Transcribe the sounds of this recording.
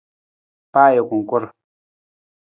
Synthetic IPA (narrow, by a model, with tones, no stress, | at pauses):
paː˦je˨kʷu˨ŋ˨kʊ˦ɾ